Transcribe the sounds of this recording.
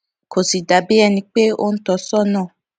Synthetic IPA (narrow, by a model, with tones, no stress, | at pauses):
kʰo˨si˨da˨˦bi˦ɛ˧nĩ˧k͡pe˦o̰˦n̩˦tɔ˧˦sɔ˦˨nã˦˨